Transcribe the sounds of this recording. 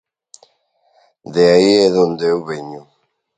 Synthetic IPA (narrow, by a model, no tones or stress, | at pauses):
ðeaiɛðond̪ewβeɲu